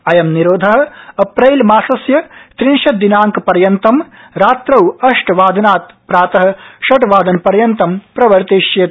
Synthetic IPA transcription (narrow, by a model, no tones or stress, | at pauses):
ɐjɐmniɾoːd̪ʱɐɦɐ̆ɐpɾɐjlmaːsɐsjɐt̪ɾinʃɐd̪inaːŋkpɐɾjɐnt̪ɐm | ɾaːt̪ɾɐwɐʂʈʋaːd̪ʱɐnaːt̪̚ | pɾaːt̪ɐɦɐ̆ʃɐʈʋaːd̪ʱɐnpɐɾjɐnt̪ɐmpɾɐʋɐɾt̪iːʃje